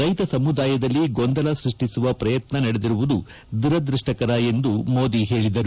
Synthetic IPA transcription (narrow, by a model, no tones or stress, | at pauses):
ɾɐjt̪ɐsɐmud̪aːjɐd̪ɐlːiɡond̪ɐlɐsɾiʂʈisuʋɐpɾɐjɐt̪nɐnɐɽed̪iɾuʋud̪u | d̪uɾɐd̪ɾuʂʈɐkɐɾɐe̞nd̪umo̞ːd̪iɦe̞ːɭid̪ɐɾu